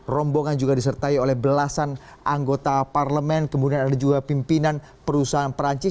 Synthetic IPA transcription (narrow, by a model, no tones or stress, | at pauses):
rɔmboŋand͡ʒuɡadisərt̪aiolɛhbəlasan | ʔaŋɡot̪aparləmɛnkəmudianadad͡ʒuɡapimpinan | pəɾusaɦanpəɾaɲt͡ʃɪ